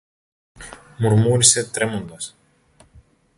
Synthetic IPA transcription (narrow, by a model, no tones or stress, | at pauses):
muɾmuːɾʲisʲet̪ɾʲɛmund̪ɐs